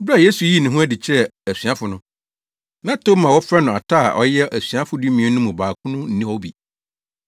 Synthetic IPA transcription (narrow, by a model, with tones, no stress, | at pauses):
bɾa˦˨je˦su˨ji˦nɪ̃˨ɦũ˦æ˦dɪ˨t͡ɕʰɛ˦˨æ˨sɥa˦fʊ˨nʊ̃˦ | nã˦tʰo˦mã˨wɔ˦fɾɛ˦nʊ̃˨a˨tʰa˦a̰˨ʔɔ˦jɛ˦ʔæ˨sɥa˦fʊ˦di˦mĩ˨ɛ̃˦nʊ̃˦mũ˨baː˨kʰʊ̃˦nʊ̃˦n̩˦˨ĩ˦ɔ˦bi˨